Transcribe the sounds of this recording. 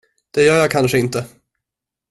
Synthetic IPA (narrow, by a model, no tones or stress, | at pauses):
d̪̥ɛjœːɾjɑːkʰanʂəɪnt̪ə